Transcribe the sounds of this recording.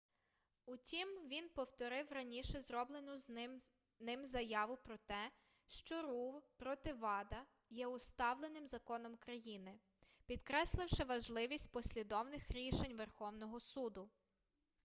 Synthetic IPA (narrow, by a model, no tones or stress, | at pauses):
ʊtʲimʋʲinpɔwt̪ɔɾɪwrɐnʲiʃɛzɾɔblˠenʊz | nɪmzɐjɑʋʊpɾɔt̪ɛ | ʃt͡ʃɔɾuwpɾɔt̪ɪʋɑd̪ɐ | jɛʊst̪ɑwlˠenɪmzɐkɔnɔmkɾɐjinɪ | pʲid̪kɾɛslˠɪwʃɪʋɐʒlˠɪʋʲisʲtʲpɔsʲlʲid̪ɔwnɪxɾʲiʃenʲʋerxɔwnɔɦɔsud̪ʊ